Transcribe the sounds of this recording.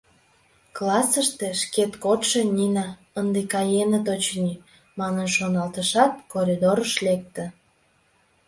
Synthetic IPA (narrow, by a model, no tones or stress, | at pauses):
klɑsəʃt̪eʃket̪kot̪ʃĕnʲinɑ | ənd̪ekɑjenət̪ot͡ɕnʲi | mɑnənʃonɑlt̪əʃɑt̪̚koɾʲid̪oɾəʃlek̚t̪ə̆